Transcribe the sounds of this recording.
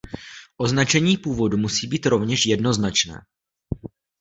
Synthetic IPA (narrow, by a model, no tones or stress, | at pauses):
ʔo̞znat͡ʃɛɲiːpuːvo̞dumusiːbiːt̪ɾo̞vɲɛʃjɛdno̞znat͡ʃnɛ̰ː